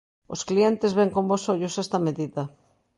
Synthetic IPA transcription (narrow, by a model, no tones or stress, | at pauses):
o̰sklient̪ezβeŋkombosoʎʊsɛst̪ɐmeðiðɐ